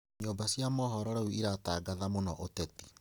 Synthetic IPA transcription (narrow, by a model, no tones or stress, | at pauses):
ɲoːmbasjamɔɦɔɾɔɾauiɾataːɡaðamonɔʔotɛti̥